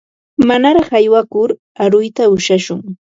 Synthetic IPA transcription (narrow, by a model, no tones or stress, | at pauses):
manaɾɑχajwakʊɾ | aɾʊjt̪aʊʃaʃʊŋ